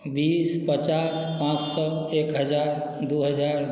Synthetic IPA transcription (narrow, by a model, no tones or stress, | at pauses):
bispət͡ʃas | pãt͡ʃsɔ | ekɦəd͡ʒaɾ | d̪uɦəd͡ʒaɾ